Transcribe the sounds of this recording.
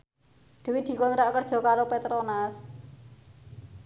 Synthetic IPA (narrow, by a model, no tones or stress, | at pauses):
ɖ̪̥e̤wid̪̥i̤kɔnɾaʔkərd̥ʒ̥ɔ̤kaɾopet̪ɾɔnas